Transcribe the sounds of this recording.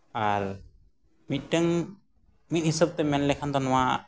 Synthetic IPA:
aɾ | mit̪̚ʈəŋ | mit̪̚hisəb̚t̪ɛmɛnlɛkʰant̪ɔnɔwa

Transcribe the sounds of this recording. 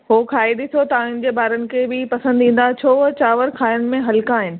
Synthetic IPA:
ɦoːkʰaːid̪ɪsot̪ɐʋãːɦɪnɪ̃̆d͡ʑeːbaːɾənɪ̆kʰebɪpɐsə̃nd̪ĩːn̆d̪at͡ɕʰoːʋɐt͡ɕaːʋəɾkʰaːjʊnɪ̆mẽɦɐlɪkaaːɦɪnɪ̆

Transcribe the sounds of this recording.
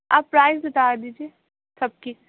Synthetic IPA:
aːpːɾaːɪzʊt̪aːɾd̪iːd͡ʒie | sɐb̚ki

